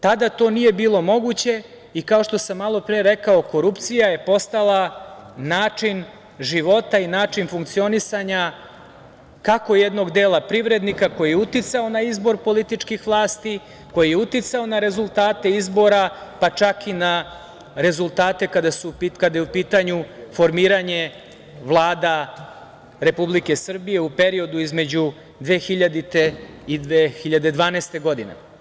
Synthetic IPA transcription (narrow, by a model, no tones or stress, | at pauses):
t̪ad̪at̪o̞ːnije̞biːlˠo̞mo̞ɡut͡ɕe̞ | ikao̞ʃt̪o̞samːalˠo̞pɾieɾe̞kao̞ko̞ɾupt̪sijaje̞po̞st̪alˠanaːt͡ʂin | ʒiʋo̞t̪ainaːt͡ʃinfuŋkt̪sio̞nisaɲa | kako̞jed̪no̞ɡd̪eːlˠapɾiʋɾe̞d̪nikako̞jijeut̪it̪sao̞naizbo̞ɾpo̞lit̪it͡ʂkixʋlˠaːst̪i | ko̞jijeut̪it̪sao̞naɾe̞zulˠt̪aːt̪e̞izbo̞ɾapat͡ʃakina | ɾe̞zulˠt̪aːt̪e̞kad̪asupikad̪ajeupiːt̪aɲufo̞ɾmiːɾaɲe̞ | ʋlˠaːd̪a | ɾe̞publike̞sr̩bije̞upe̞ɾio̞d̪uizme̞d͡ʑu | d̪ʋeːxiʎad̪it̪e̞id̪ʋeːxiʎad̪e̞d̪ʋaːnest̪e̞ɡo̞d̪inḛ